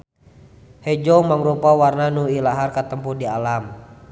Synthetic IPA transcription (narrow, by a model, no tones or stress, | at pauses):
hɛd͡ʒɔmaŋɾupawarnanuilaɦarkat̪əmpurdialam